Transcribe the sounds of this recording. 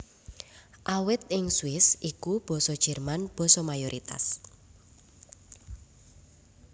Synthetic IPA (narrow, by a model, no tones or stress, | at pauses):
ʔawɪt̪̚ɪŋswɪsikub̥ɔ̤sɔd̥ʒ̥ɛ̤rmanb̥ɔ̤sɔmajoɾʔit̪a̰s